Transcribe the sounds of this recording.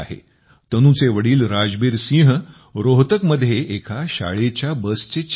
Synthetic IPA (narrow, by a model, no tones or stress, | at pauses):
aɦḛ | t̪ənũt͡seʋəɽiːlɾad͡zbiːɾsĩɦ | ɾoɦt̪əkməd̪ʱːjeʔːkʰaɕa̰ɭet͡ɕjabəst͡ɕet͡ɕ